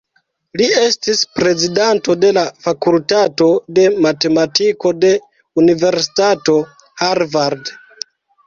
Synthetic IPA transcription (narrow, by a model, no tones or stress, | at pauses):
lie̞stispɾe̞zidanto̞de̞lafakultato̞de̞mate̞matiko̞de̞ | unive̞ɾsi̥tato̞ | haɾvaɾd